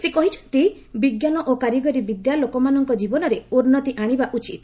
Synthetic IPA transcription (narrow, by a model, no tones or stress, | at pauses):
sekɔɦit͡ʃʰɔ̥t̪i | biɡjanɔʔokaɾjiɡɔɾibid̪jalokɔmanɔŋkɔd͡ʒibɔnɔɾeuɾnɔt̪iʔaɽ̃ibaʔut͡ʃit̪